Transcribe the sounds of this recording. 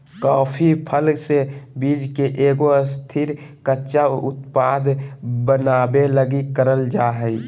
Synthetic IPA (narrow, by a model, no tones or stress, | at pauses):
kaːpʰipʰəlsebiːd͡ʒkeʔeːɡoəst̪ʰiɾ | kəʃaʊ̰t̪paːd̪bənaːbeləɡikəɾəld͡ʒaːɦəi